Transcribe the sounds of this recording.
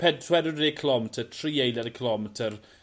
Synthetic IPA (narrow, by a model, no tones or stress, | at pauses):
pʰɛdswɛdəekʰəlˠɔmɛtʰətʰriːejlˠɛɾəkʰəlɔmɛtʰər